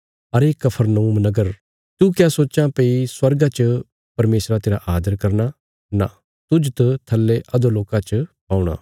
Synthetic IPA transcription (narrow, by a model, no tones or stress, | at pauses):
ɐɾeːkːɐpʰəɾnouːmnɐɡəɾ | t̪ukjaːsoːt͡ʃãpeiswɐɾɡat͡ʃ | pɐɾmeːsɾat̪eːɾaʔaːd̪əɾkɐɾna | na̰ | t̪ʊd͡ʒt̪ɐt̪ʰɐlːeʔɐd̪oloːkãt͡ʃpãːuɽ̃a̰ː